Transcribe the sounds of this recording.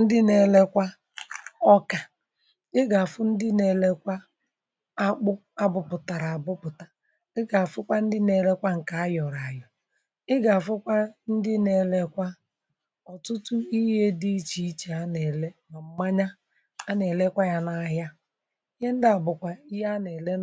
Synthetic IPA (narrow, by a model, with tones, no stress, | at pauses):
n̩˦dɪ˦ne˨le˦kʷa˦ | ɔ˦ka˨ | ɪ˦ɡa˨fʊ˦n̩˦dɪ˦ne˨le˦kʷa˦ | a˦k͡pʊ˦ | a˦bʊ˨pʊ˨ta˨ɾa˨a˨bʊ˦pʊ˨ta˨ | ɪ˦ɡa˨fʊ˦kʷa˦n̩˦dɪ˦ne˨le˦kʷa˦ŋ̩˨ka˨˦jɔ˨ɾa˨jɔ˨ | ɪ˦ɡa˨fʊ˦kʷa˦n̩˦dɪ˦ne˨le˦kʷa˦ | ɔ˨tʊ˦tʊ˦i˦ɦe˦di˦i˦t͡ʃi˨˦t͡ʃe˨a˦ne˨le˦ma˨m̩˦ma˦ɲa˦ | a˦ne˨le˦kʷa˦ja˦na˨˦ɦa˦ | i˦ɦe˦n̩˦dɪ˦a˨bʊ˨kʷa˨i˦ɦa˦ne˨le˦